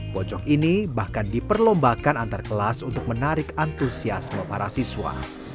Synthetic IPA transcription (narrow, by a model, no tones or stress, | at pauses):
bɔt͡ʃɔkinibahkandipərlɔmbakanant̪arkəlasunt̪ʊk̚mənaɾɪkant̪usiasməpaɾasiswa̰